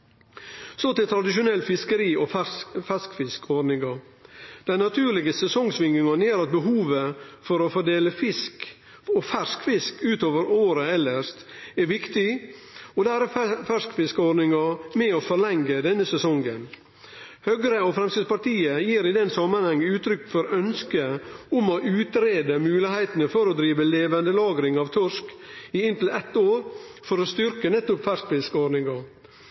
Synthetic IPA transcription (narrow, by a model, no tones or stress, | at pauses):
soːt̪ɪt̪ʰɾɑd̪ɪʃʊnɛlːfɪskəɾiːɔfɛskfɪskɔɖnɪŋɑ | d̪̥ɛɪnɑt̪ʰʉːɾɭɪɡəsɛsɔŋsʋɪŋɡɪŋɑnjeːɾɑt̪̚bəɦuːʋəfɔɾɔfɔɖeːləfɪsk | ɔfæʂkfɪskʉːt̪oːʋəɾoːɾəɛlːəʂt̪ɛʋɪkt̪ɪɔd̪æːɾɛfæʂkfɪskɔɖnɪŋɑmɛofɔɾɭɛŋɡəd̪ɛnːəsɛsɔŋən | hœɡəɾəɔfɾɛmsɪd̪spɑɾʈ̪iːəjiːɾɪd̪ɛnsɑmːənhɑŋːəʉːt̪ʰɾʏkːfɔɾœnskəʊmoʔʉːt̪ɾeːd̪əmʉːlɪhæɪt̪ənəfɔɾɔd̪ɾiːʋəleːʋənd̪əlɑːɡɾɪŋɑʋt̪ʰʊʂk | iɪnt̪l̩ɛt̪ːoːɾfɔɾɔst̪ʏɾkənɛt̪ːʊpfæʂkfɪskɔɾnɪŋɑ